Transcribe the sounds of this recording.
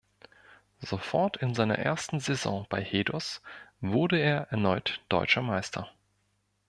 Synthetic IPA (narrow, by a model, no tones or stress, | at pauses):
zofɔɐtʰɪnzaɪnɐ̰ʔḛːɐstn̩zɛzɔ̰̃b̥aɪheːdɔsvʊɐdəeːɐʔɛɐnɔʏtd̥ɔ̰ʏt͡ʃɐmaɪstʰɐ̰